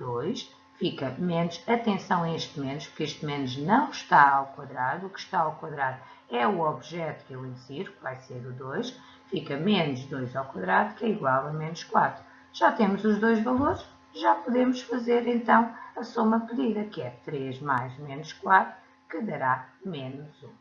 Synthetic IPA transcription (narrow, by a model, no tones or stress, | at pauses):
d̪ojʃ | fikɐmenuʃɐt̪ẽsɐ̃w̃ɐ̃eʃt̪menuʃpuɾkeʃt̪menuʒnɐ̃w̃ʃt̪aawkwɐðɾaðukʃt̪aawkwɐðɾaðu | ɛuɔβʒɛt̪u̥kewĩnd̪siɾukvajseɾuðojʃ | fikɐmenuʃd̪ojzawkwɐðɾaðukɛiɣwalˠɐmenuʃkwat̪ɾu | ʒ̥at̪emuzuʒd̪ojʒvɐlˠoɾʃ | ʒapuðemuʃfɐzeɾẽnt̪ɐ̃w̃ɐsomɐpɨðiðɐkɨɛt̪ɾeʒmajʃmenuʃkwat̪ɾu | kɨðɐɾamenuzũ